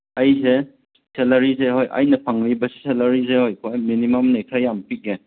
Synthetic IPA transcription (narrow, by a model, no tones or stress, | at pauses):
ɐjze | selɐɾizeɦojʔɐ̰jnɐpʰaŋlibɐsi̥selɐɾizehojkʰojminimɐmnekʰɾajːampik̚ne